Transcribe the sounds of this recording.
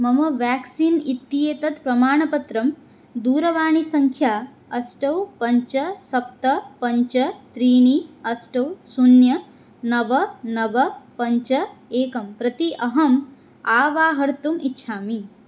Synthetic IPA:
mɐmɐʋjaːksinit̪ːijeːt̪ɐt̪pɾɐmaːɳɐpɐt̪ɾɐm | d̪uːɾɐʋaːɳisɐŋkʰjaː | ɐsʈɐwpɐɲt͡ʃɐsɐpt̪ɐpɐɲt͡ʃɐt̪ɾiːɳiɐsʈɐwsunjɐ | nɐʋɐnɐʋɐpɐɲt͡ʃɐeːkɐmpɾɐt̪iʔɐɦɐm | aːʋaːɦɐɾt̪umitːʃʰaːmi

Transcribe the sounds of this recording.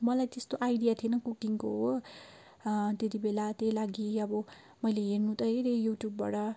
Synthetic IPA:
mʌlajt̪est̪oʔajdijat̪ʰienʌkukiŋkoɦo | t̪et̪ibelat̪elaɡiʌbʌ | mʌjleɦernũt̪ʌɦeɾejuʈjubːa̰ʈʌ

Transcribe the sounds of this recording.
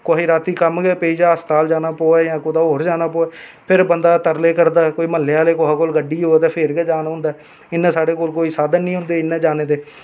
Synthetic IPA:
koːɦiːɾaːt̪iːkəmɡɛːpeiːd͡ʒaːəst̪aːld͡ʒaːnaːpoːɛːjãːkʊd̪aːoːɾd͡ʒaːnaːpoːɛːpʰɪɾbənd̪aːt̪əɾleːkəɾd̪aːɛkoːiːməlːejaːleːkoːɦakoːlɡəɖiːɦoːt̪eːpʰeɾɡɛːd͡ʒaːnaɦʊ̃nd̪aː | ɪnːɛ̃ːsaːɽeːkoːlkoːiːsaːd̪ənːĩːɦʊ̃nd̪eːɪnːɛ̃ːd͡ʒaːneːd̪eː

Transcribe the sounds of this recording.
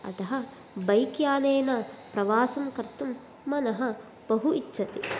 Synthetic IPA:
ɐ̰t̪ɐɦɐ̆ | bɐjkjaːneːnɐpɾɐʋaːsɐmkɐɾt̪umː | ɐnɐɦɐ | b̥ɐɦuit͡ʃːʃʰɐt̪i

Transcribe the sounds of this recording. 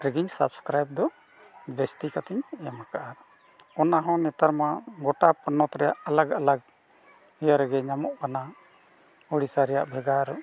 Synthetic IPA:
ɾɛɡiɲsa̰bskɾajb̚d̪ɔ | bɛst̪ikat̪ɛɲjamakaʔaɾ | ɔnaɦɔ̃nɛt̪aɾmaɡɔʈapənːɔt̪ɾɛjaʔalaɡalaɡ̚ | hɛjaɾɛɡɛɲamɔʔkana | uɽisaɾɛja̰ʔbʱɛɡaɾ

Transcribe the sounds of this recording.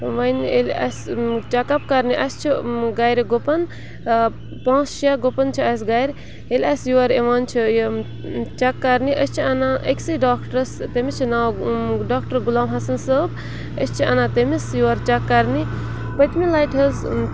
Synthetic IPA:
ʋɐjnelʲɐ̰st͡ʃɐkɐpkɐɾniʔɐst͡ʃʰiɡajɾiɡopɐn | pãːsʃijaɡopɐnt͡ʃʰiɐs̬ɡajɾ | elʲɐsjuwaɾeʋaːnt͡ʃʰi | t͡ʃɐkːɐɾniʔəst͡ʃʰiɐnãʔəkʲsiɖaːkʈɾst̪emit͡ʃʰinawɖaːkʈɐɾɡulaːmɦɐsɐnsəːb | əst͡ʃʰiɐ̰nat̪emisjuʋaɾt͡ʃɐkːɐɾni | pət̪milajʈʰɦɐz

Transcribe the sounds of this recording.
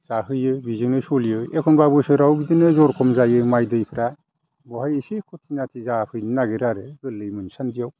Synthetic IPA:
z̥aɦɯjɯbizɯŋnɯsɔlijɯekʰɔnbabɯsɯɾawbidinɯzɔɾkʰɔmzajɯmajdɯjpʰɾa | bɔhajesekʰɔtʰinatʰizapʰɯjninaɡeɾaɾɯɡɯlːɯjmɯnsanbijaw

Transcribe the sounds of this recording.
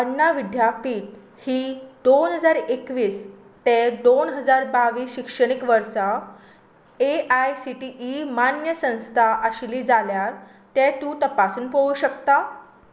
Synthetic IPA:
ənːaʋid̪ʱjapiːʈ̚ | hiːd̪onɦəd͡zaɾekʋiːs | t̪ɛd̪onɦəd͡zaɾbaʋiːsɕikʂəɽ̃ikʋəɾsa | eʔajsiʈiʔimanjəsə̃w̃st̪ʰaʔəɕliːd͡zaljaɾ | t̪ɛt̪ũːt̪əpasuːnpəuɕəkt̪a

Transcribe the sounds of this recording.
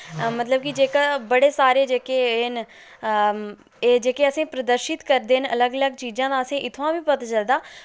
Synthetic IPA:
mət̪ləb̚kɪd͡ʒeːkabəɽeːsaːɾeːd͡ʒeːkeːn | eːd͡ʒeːkeːəsĩːpɾəd̪əɾʃɪt̪kəɾd̪eːnələɡələɡt͡ʃiːd͡ʒãːd̪aːəsĩːʔɪt̪ʰːãːʋiːpət̪aːt͡ʃəld̪aː

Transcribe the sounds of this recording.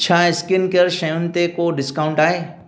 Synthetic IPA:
t͡ʃʰaːɪskɪnkɐɾʃɐjʊnt̪ekoɖɪskaːʊ̃ɳʈaːeː

